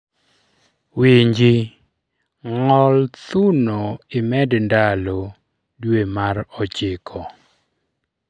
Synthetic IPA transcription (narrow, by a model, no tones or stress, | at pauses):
wiɲd͡ʒi | ŋɔlt̪unoɪmɛdndalo | dwemaɾɔt͡ʃɪkʰɔ